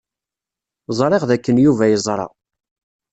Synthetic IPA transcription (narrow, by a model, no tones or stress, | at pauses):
zˤɾˤeʁðækːənjuvæjəzˤɾˤɑ̰